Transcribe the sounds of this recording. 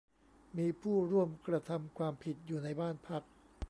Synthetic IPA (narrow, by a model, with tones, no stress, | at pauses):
miː˧pʰuː˥˩ɾu˥˩əmkɾa˧t̪ʰa˧mkʰwaː˧mpʰi˨˩t̪̚juː˨˩na˧jbaː˥˩npʰa˦˥k̚